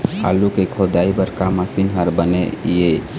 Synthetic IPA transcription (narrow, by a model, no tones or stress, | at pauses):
ha̰lukekʰod̪aːibəɾkaməsinɦəɾbəneje